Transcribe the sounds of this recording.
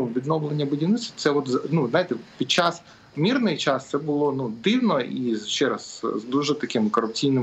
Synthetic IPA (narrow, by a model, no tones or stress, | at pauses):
uʋʲid̪nɔwlˠenʲːɐbɪdʲinɪt͡s̪ʲsʲt̪sɛɔt̪znuznajɪt̪ɛpʲid̪̚t͡ʃas | mʲirnɪjt͡ʃast̪sɛbʊlˠɔnud̪ɪwnɔizʃt͡ʃɛɾɐszd̪uʒɛt̪ɐkɪmkɔɾʊp̚t͡sʲijnɪ